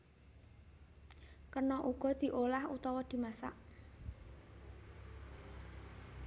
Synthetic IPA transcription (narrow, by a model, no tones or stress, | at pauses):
kərnɔʔuɡ̥ɔ̤d̪̥i̤ʔolahut̪ɔwɔd̪̥i̤masa̰ʔ